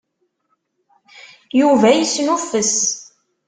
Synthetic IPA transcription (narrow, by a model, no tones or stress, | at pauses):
juvæjəsnufəs